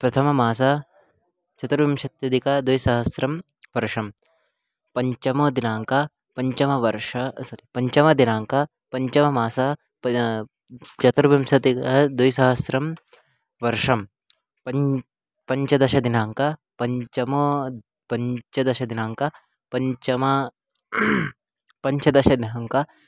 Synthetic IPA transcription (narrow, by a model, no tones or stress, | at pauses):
pɾɐt̪ʰɐmɐmaːs̬a | t͡ʃɐt̪ɾɐʋimʃɐt̪jɐd̪ikɐd̪ujsɐɦɐsɾɐm | ʋɐɾʂɐm | pɐɲt͡ʃɐmoːd̪inaːŋka | pɐɲt͡ʃɐmɐʋɐɾʃɐsɐɾipɐɲt͡ʃɐmɐd̪inaːŋka | pɐɲt͡ʃɐmɐmaːsa | ɐ | t͡ʃɐt̪ɾɐbɐmsɐt̪ikɐd̪ujsɐɦɐsɾɐm | ʋɐɾʂɐm | pɐ | pɐɲt͡ʃɐd̪ɐʃɐd̪inaːŋkɐ | pɐɲt͡ʃɐmo | pɐɲt͡ʃɐd̪ɐʃɐd̪inaːŋkɐ | pɐɲt͡ʃɐmɐ | pɐɲt͡ʃɐd̪ɐʃɐd̪inaːŋkɐ